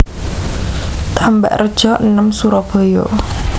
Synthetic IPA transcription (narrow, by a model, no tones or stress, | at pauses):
t̪amba̰ʔrəd̥ʒ̥ɔʔnəmsuɾɔb̥ɔ̤jɔ̰